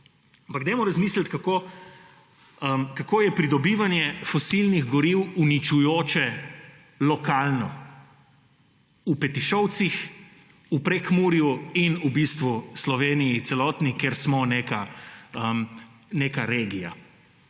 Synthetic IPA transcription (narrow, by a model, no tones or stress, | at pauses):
ampaɡd̪amɔɾazmiːslat̪kako | əmkakoːjɛpɾid̪ɔbiːʋanjɛfɔsilniɣɡɔɾiwunit͡ʃujoːt͡ʃɛ | lɔkaːlnɔ | upɛt̪iʃɔw̪six | upɾekmuːɾjuinubist̪ʋuslɔʋeːnijit̪sɛlɔːt̪nikeɾsmɔnekaəmnekaɾeːɡija̰